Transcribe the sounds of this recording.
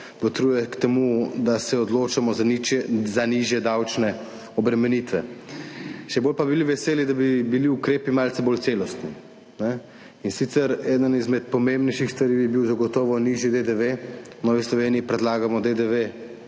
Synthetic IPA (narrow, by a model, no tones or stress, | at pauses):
pɔt̪ɾuːjɛkt̪ɛmud̪asɛɔd̪loːt͡ʃamɔ | zaniʒjɛd̪awt͡ʃnɛ | ɔbɾɛmɛnit̪ʋɛ | ʃɛbolpabiliʋɛseːlid̪abibiliukɾeːpimalt̪ɛbolt̪selɔst̪ni | nɛ | insit̪sɛɾɛːd̪ənizmɛt̪pɔmembnɛjʃixst̪ʋaɾiːbibiwzaɡɔt̪ɔːʋɔniʒjid̪ed̪eʋe | nɔːʋislɔʋeːniipɾɛd̪laːɡamɔd̪ed̪eʋe